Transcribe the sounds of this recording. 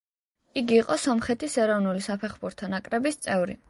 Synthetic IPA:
iɡiːqʼɔsɔmχɛt̪ʰisɛɾɔvnulisapʰɛχbuɾt̪ʰɔnakʼɾɛbist̪sʼɛvɾḭ

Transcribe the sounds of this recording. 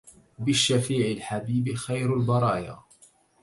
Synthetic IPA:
bɪʃːafiːʕɪlħabiːbɪxajɾalbɑɾˤɑːja̰ː

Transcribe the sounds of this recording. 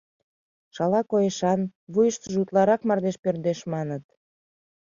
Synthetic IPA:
ʃɑlɑkojeʃɑnβujəʃt̪əʒut̪lɑɾɑkmɑrd̪eʃpørd̪eʃmɑnət̪

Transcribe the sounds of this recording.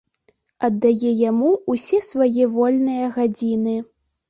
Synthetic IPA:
ɐd̪ːajɛjamuusʲɛsvajɛvɔlʲnɨjɐɣad͡zʲinɨ

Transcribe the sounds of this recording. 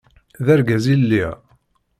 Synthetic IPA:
ðæɾɡæzilːi

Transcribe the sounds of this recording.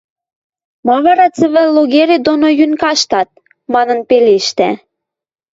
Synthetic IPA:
mɑβɑɾɑt͡sə̆βɘ̆lːoɣeɾed̪onojynkɑʃt̪ɑt̪̚ | mɑnə̆npeleʃt̪æ̰

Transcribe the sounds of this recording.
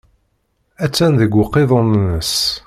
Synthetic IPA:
æt͡sːænðəɡʷʊqːeðˤonnəs

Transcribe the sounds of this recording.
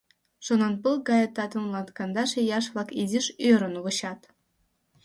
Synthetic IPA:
ʃonɑnpɯlˠɡɑjɤt̪ɑt̪ə̆nlˠɑnt̪kɑnd̪ɑʃĕjɑʃβlˠɑkizʲiʃøɾɤ̆nuβɤ̆ɕɑt̪

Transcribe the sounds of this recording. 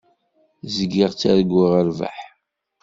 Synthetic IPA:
zəɡːiʁt͡sːæɾəɡːiʁəɾva̰ħ

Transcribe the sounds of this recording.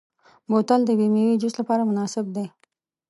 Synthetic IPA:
mot̪ald̪əbimiwid͡ʒust̪lapɑɾamʊnɑsɪb̚d̪e

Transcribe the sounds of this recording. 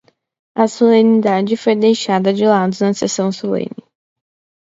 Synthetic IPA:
ɐsolẽnid̪ad͡ʒɪfojd̪ejʃad̪ɐd͡ʒɪlad̪ʊznɐsesɐ̃w̃solḛ̃nɪ

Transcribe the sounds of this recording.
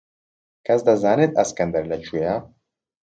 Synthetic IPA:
kʰɛsd̪ɐzaːnet̪ɐskɛnd̪ɐɾlɛt͡ʃʰuja

